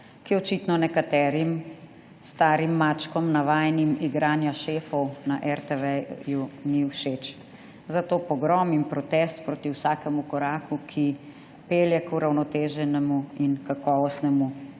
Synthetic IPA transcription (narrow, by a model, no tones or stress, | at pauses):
kiɔt͡ʃit̪nɔnɛkat̪ɛːɾim | st̪aːɾimːat͡ʃkɔmnaʋaːjnimiɡɾaːnjaʃeːfɔwnaʔɛɾt̪ɛʋɛjuniwʃet͡ʃ | zat̪oːpɔɡɾɔːmimpɾɔt̪ɛst̪pɾoːt̪iwsaːkɛmukɔɾaːkʰukʰi | peːljɛkuɾawnɔt̪eːʒɛnɛmuinkakɔːʋɔst̪nɛmu